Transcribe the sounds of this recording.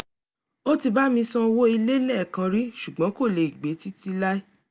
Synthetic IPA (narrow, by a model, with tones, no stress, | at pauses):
o˦ti˧ba˦mĩ˧sɔ̃˧wo˦i˧le˦lɛ˦˨kã˧ɾi˦ʃu˨ɡ͡bã˨˦ko˦˨le˨i˨ɡ͡be˨˦ti˦ti˧la˦i˦